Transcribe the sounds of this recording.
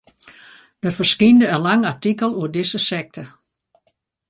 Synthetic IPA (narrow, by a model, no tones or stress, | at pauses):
d̥ərfərskindəənlaŋartikəlˠuərdɪsəsɛk̚tʰə